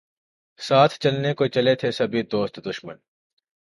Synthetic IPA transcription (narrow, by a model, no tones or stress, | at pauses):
saːt̪ʰt͡ʃɐlnekot͡ʃɐlet̪ʰesɐbʱid̪oːst̪d̪ʊʃmən